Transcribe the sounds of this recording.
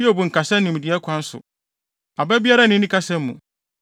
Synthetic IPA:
i˦ɛ˨bu˨ŋ̩˨kʰa˨sã˦nɪ̃˨m̩˨dɪ˨ɛ˦kʷʰã˨n̩˦sʊ̰˨ | a˨bɛ˦bi˦a˦ɾa˦nɪ̃˦nĩ˦kʰa˦sɛ̃˦m˦mṵ̃˨

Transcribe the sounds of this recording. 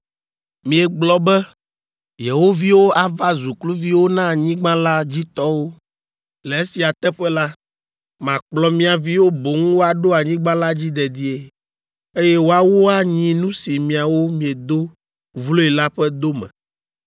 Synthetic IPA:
mĩ˨ɛ˨ɡ͡blɔ˦bɛ˦ | je˨wo˦vi˦wo˦a˨va˦zu˨klu˦vi˦wo˦nã˦˨ɲĩ˦ɡ͡bã˦la˦d͡ʑi˦t̪ɔ˦wo˦ | lɛ˨e˦si˨a˨t̪ɛ˦ɸɛ˦la˦ | mã˨k͡plɔ˨mĩ˦a˨vi˦wo˦bo˨ŋũ˦wo˦a˨ɖo˦a˨ɲĩ˦ɡ͡bã˦la˦d͡ʑi˦d̪ɛ˨d̪i˦e˦ | e˦jɛ˦wo˦a˦wo˦a˦ɲĩ˦nũ˦si˨mĩ˨a˨wo˦mĩ˨e˨d̪o˦ | vlo˦e˨la˦ɸɛ˦d̪o˦mɛ̰̃˨

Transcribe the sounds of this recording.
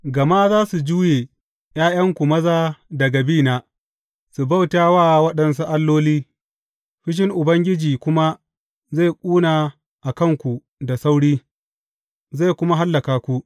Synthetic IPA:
ɡɐ˨ma˦zaː˦su˨d͡ʒuː˦jeː˨ | j̰aː˦j̰ɐ˦ŋkʷu˨mɐ˦zaː˦dɐ˨ɡa˨biː˦naː˨ | su˨ba˦˨wtaː˦waː˦˨wɐ˦ɗɐ˨ns̬u˦ʔa˦lːoː˦liː˦ | ɸɪ˦ʃ̬ɪ˦ŋʔʊ˨bɐ˦ŋɡʲɪ˦d͡ʒiː˨kʷʊ˦ma˦ | za˦˨jkʷʼuː˦naː˨ | ʔa˨kɐ˦˨ŋkʷu˨ | da˨sa˦wɽiː˦ | za˦˨jkʷʊ˦ma˦ɦa˦lːɐ˨kaː˨kʷu˦ʔ

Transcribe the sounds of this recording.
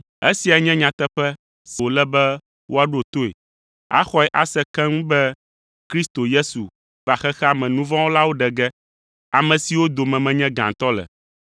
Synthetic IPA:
e˦si˨a˨˦ɲɛ̃˦ɲã˨t̪ɛ˦ɸɛ˦ | si˨o˨lɛ˦bɛ˦ | wʔo˦a˦ɖu˦o˨t̪o˦ḛ˨ | a̰˦xɔ˦ɛ˨ʔa˦sɛ˦kɛ̃˦ŋũ˦bɛ˦ | kɾi˦st̪o˨je˦su˨ | va˨xɛ˦xɛ˦a˦mɛ̃˨nũ˦vɔ̃˦wo˦la˦wo˦ɖɛ˨ɡɛ˦ | a˨mɛ̃˨si˨wo˦d̪o˨mɛ̃˨mɛ̃˨ɲɛ̃˦ɡã˨t̪ɔ˦lɛ̰˨

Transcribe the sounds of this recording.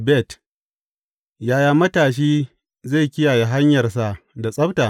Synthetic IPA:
bɛ˦˨t | jaː˦jaː˦mɐ˦taː˨ʃ̬iː˦ | ze˦˨kʲɪ˦jaː˨je˨ɦa˦ɲjɐ˨rsa˦da˨sʼɐ˦btaː˨

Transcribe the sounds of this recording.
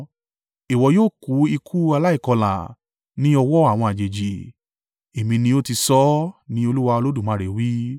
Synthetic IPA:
i˨wɔ˨˦joː˦˨ku˨˦i˧kʰu˦a˧la˦i˦˨kɔ˧la̰˨ | nĩ˦ɔ˧wɔ˦a˦˨w̃ɔ̃˧a˨d͡ʒe˨d͡ʒi˨ | e˨mĩ˧nĩ˧o˦ti˧sɔ˦nĩ˦o˧lu˦wa˧o˧lo˦du˦˨mã˨˦ɾe˨wi˦

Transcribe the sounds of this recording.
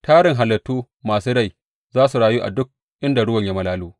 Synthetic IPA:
tʰaː˦ɽɪ˨ŋɦa˨lːɐ˨tːuː˦ | maː˨suː˦ɽa˦˨j | zaː˦su˨ɽaː˨juː˦ʔa̰˨dʊ˦k̚ | ʔɪ˦nda˨ɽʊ˦wɐ˨ɲja˦mɐ˨laː˦luː˦

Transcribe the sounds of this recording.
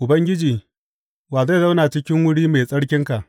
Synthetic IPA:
ʔʊ˨bɐ˦ŋɡʲɪ˦d͡ʒiː˨ | waː˨za˦˨za˦wnaː˨t͡ʃɪ˦kʲɪ˦ŋwʊ˦ɽiː˦meː˨sʼɐ˦ɽkʲɪ˦ŋka˨ʔ

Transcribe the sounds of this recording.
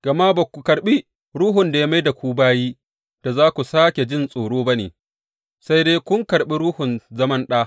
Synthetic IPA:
ɡ̥ɐ˨ma˦ba˨kʷu˨kɐ˨ɽɓi˦ | ɾuː˦ɦʊ˨nda˨ja˦ma˦jda˨kʷuː˦baː˦jiː˦ | d̥a˨zaː˦kʷu˨saː˦kʲe˨d͡ʒɪ˦nsʼoː˨ɽoː˦ba˦nḛː˨ | sa˦jdeː˦kʷʊ˦ŋkɐ˨ɽɓi˦ɾuː˦hʊ˨nzɐ˦mɐ˦nɗaː˦

